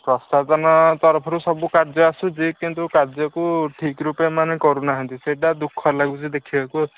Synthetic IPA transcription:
pɾɔst̪azɔnɔt̪ɔɾɔpʰɔɾusɔbukaɾzɔasuzikint̪ukaɾzjɔkuʈʰikɾupjamanekɔɾunaɦant̪iseʈad̪ukʰːɔlaɡuzid̪ekʰibaku

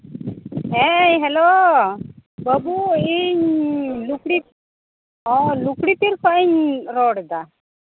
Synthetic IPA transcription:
ɦeɦɛlo | bəbuiɲlukɽi | ɔlukɽit̪iɾkʰɔiɲɾoɽd̪a

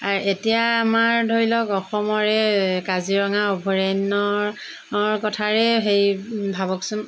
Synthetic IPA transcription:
aɹʔetijaːmaɹdʱoɹilɔkɔxɔmɔɹɛkaziɹɔŋaɔbʱɔɹanɔɹ | ɹkɔtʰaɹɛɦejbʱaβɔksʊn

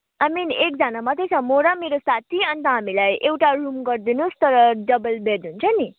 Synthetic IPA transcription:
ajminek̚d͡zanamʌt̪ʰejt͡sʰʌmoɾameɾosat̪ʰiʌnt̪ʌɦamilajʔewʈarumɡʌrd̪inust̪ʌɾʌɖʌbʌlbeɾd̪ɦunt͡sʰʌni

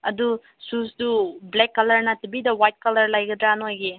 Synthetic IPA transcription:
ɐdu | susdublɛkːɐlɐɾnɐtibidɐwajt̚kɐlɐɾlajɡɐd̪ɾanojɡi

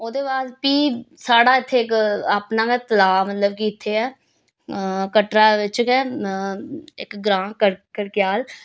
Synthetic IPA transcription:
oːd̪eːbaːspiːsaːɽaːɪt̪ʰːeːkaːpnãːkɛt̪əlaːmət̪ləbkiːɪt̪ʰːeːɛː | kəʈɾaːʋɪt͡ʃkɛː | ɪkɡɾãːkəɾkəɾkɪjaːl

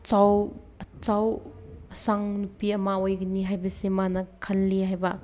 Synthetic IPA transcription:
t͡ʃaw | ɐt͡sawɐsaŋnupiɐmaojɡɐniɦajbɐsemanɐkʰɐlːiɦajbɐ

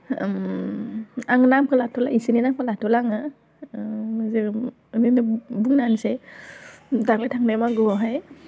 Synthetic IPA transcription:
aŋnamkʰɯlatʰɔlaisininamkʰɯlatʰɔlaŋɯ | ze | ninɯbuŋnanse | daŋletʰaŋnajmaɡɔɦaj

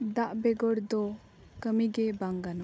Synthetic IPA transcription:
d̪aʔbɛɡɔɾd̪ɔ | kəmiɡebaŋɡanɔ

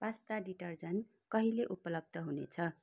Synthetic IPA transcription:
bast̪aɖiʈʌrd͡zʌn | kʌɦileʔupʌlʌb̚d̪ʱʌɦunḛt͡sʰʌ

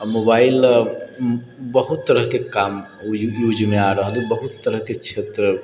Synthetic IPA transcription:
mobail | bəɦut̪ːəɾəɦkekam | jud͡ʒmeaɾəɦəlibəɦut̪ːəɾəɦket͡ʃʰet̪ɾə

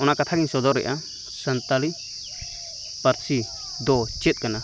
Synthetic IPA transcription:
ɔnakat̪ʰaɡiɲsɔd̪ɔɾɛ̰ʔa | sənt̪ali | pəɾsi | d̪ɔt͡ʃɛt̪̚ˀkana

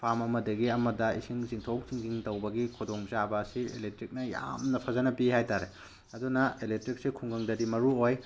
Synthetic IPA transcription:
pʰamɐmɐdɐɡiɐmɐdɐisiŋziŋtʰowk̚ziŋziŋtɐwbɐɡikʰudoŋzabɐɐsielek̚tɾik̚nɐja̰mnɐpʰɐzɐnɐpihajtaɾe | ɐdunɐelek̚tɾik̚sikʰuŋɡɐŋdɐdimɐɾuoj

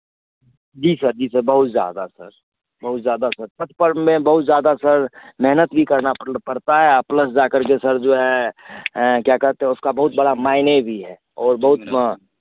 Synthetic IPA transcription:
d͡ʒiːsəɾd͡ʒiːsəɾbəɦʊt̪zja̰ːd̪asə̰ɾ | bɐɦʊt̪zjaːd̪asəɾt̪ət̪̚ʰpəɾmẽbəɦʊt̪zjaːd̪asəɾmɛɦnət̪bʱikɐɾnapəɾt̪aɦɛapləsd͡ʒaːkəɾkesəɾd͡ʒoɦɛ | kjakɐɾt̪ẽɦɛ̃ʊskabəɦʊt̪̚bəɽamaːɪnebʱiɦɛː | ɔːɾbəɦʊt̪

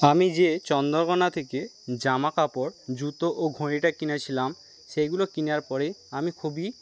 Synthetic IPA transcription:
amid͡ʑet͡ɕɔnd̪ɔɾkɔnat̪ʰeke | d͡ʑamakapɔɾd͡ʑut̪oʔoɡʱoɽ̃iʈakinat͡ɕʰilam | ʃejɡulokinaɾpɔɾeamikʰobi

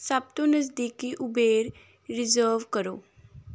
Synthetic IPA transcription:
sɐb̚t̪õnəs̬d̪iːkiʔʊbeːɾ | ɾɪzəːɾʋkəɾoː

